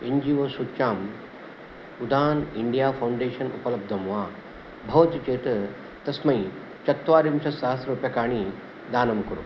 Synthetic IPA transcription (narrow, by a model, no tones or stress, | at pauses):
iɲd͡ʑiːʋɐsut͡ʃaːm | ud̪ʱaːniɳɖijafawɳɖeːʃɐnupɐlɐb̚d̪ʱɐmʋa | bʱɐʋt̪jt͡ʃeːt̪ə | t̪ɐsmɐi | t͡ɕɐt̪ːʋaːɾimsɐsaɦɐsɾupjɐkaːɽ̃i | d̪aːnɐmkɐɾṵ